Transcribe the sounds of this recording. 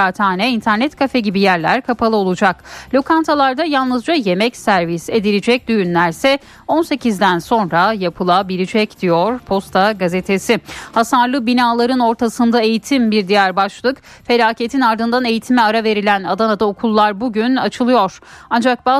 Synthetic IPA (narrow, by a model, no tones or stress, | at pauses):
at̪ʰaːnɛint̪ʰæɾnɛt̪kʰafɛɟibijæɾlʲæ̰ɾkʰapʰalˠɯo̞lˠud͡ʒaklʲo̞kʰant̪ʰalˠaɾd̪ajalˠnɯzd͡ʒaje̞mɛcsæɾvise̞d̪ilʲid͡ʒɛc̚d̪yjynlʲæɾsɛ | o̞nse̞cʰizd̪ænso̞nɾajapʰɯlˠabilʲid͡ʒɛcd̪̥ijo̞ɾ̥pʰo̞st̪ʰaɡaze̞t̪ʰe̞sihasaɾlˠɯbinaːlˠaɾɯno̞ɾt̪ʰasɯnd̪ae̞jit̪ʰimbiɾd̪ijæɾbaʃlˠɯk | fe̞lʲaːcʰe̞t̪ʰinaɾd̪ɯnd̪ane̞jit̪ʰimɛaɾave̞ɾilʲænad̪anad̪aokʰulˠːaɾbuɟynat͡ʃʰɯlˠɯjo̞ɾ̥and͡ʒak̚baː